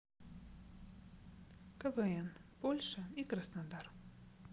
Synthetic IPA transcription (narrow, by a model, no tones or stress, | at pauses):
kəvɛɛnpolʲʂəikɾəsnad̪ar